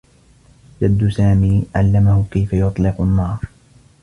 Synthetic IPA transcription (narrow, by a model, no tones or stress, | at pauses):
d͡ʒad̪ːʊsaːmiːʕa̰lːamahʊkajfajʊt̪ˤlɪqʊnːɑːɾˤ